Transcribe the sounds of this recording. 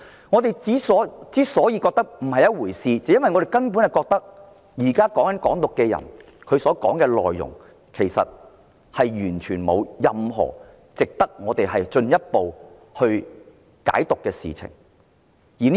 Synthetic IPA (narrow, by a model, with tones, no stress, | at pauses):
ŋɔ˨˧t̪e˨jt͡siː˨˥sɔː˨˥t͡siː˨˦˥sɔː˨˥jiː˧kɔː˧k̚t̪ɐ˥k̚m̩˨˩hɐ˨jɐ˥wuː˨˩jsiː˨˧t͡sɐ˨˧jɐ˥nwɐ˨jŋɔ˨˧ɾe˨˩jkɐ˥npu˨˥nhɐ˨jkɔː˧k̚t̪ɐ˥k̚ | jiː˨˩kaː˥kɔː˨˥ŋɐ˨˥nkɔː˨˥ŋt̪ʊ˨kːɛ˧jɐ̰˨˩n | kʰɵ˨˧ɥsɔː˨˥kɔː˨˥ŋkɛː˧lɔ̰ː˨jːʊ̰˨˩ŋ | kʰe˨˩jsɐ̰˨t̚ | hɐ˨jjyː˨˩nt͡ʃʰyː˨˩nmo̰˨˧wjɐ˨mɦɔ̰ː˨˩ | t͡sɪ˨k̚t̪ɐ˥k̚ŋɔː˨˧t̪e˨jɦɐ˨jt͡ʃɵ˧njɐ˥t̚po˨w | hɵ˧ɥ | ka̰ː˨˥jt̪ʊ˨kːɛː˧sḭː˨t͡sʰɪ̰˨˩ŋ | jiː˨˩n